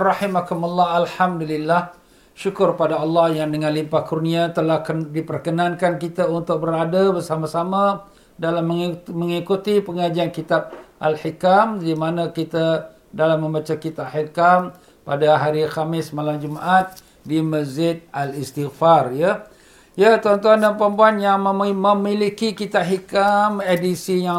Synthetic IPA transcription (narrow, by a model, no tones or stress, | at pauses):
rɑħimakumalːɑɦalħamdulilːah | ʃukʊrpadaɑlːɑhjandəŋãnlimpahkurniat̪əlahkdipərkənãnkankit̪aunt̪ʊk̚bəɾadabərsamasama | dalamːəŋməŋikut̪ipəŋad͡ʒiankit̪ab̚ʔa̰lħikamdimanakit̪a | dalamːə̃mbat͡ʃakit̪aʔħikam | padaɦaɾixamɪsmalamd͡ʒumaʔat̪̚ | diməzd͡ʒɪd̪̚alist̪iɣfarja | jat̪ɔnt̪uandampɾəmpuanjaŋməməmilikikit̪ahikamedisija